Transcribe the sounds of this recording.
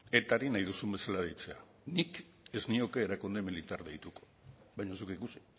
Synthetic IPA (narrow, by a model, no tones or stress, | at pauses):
e̞t̪aɾinajðusumbe̞salað̞ejt͡se̞a | nik | e̞znio̞ke̞ːɾakund̪emilit̪aɾðejt̪uko̥ | βajɲasukikusi̥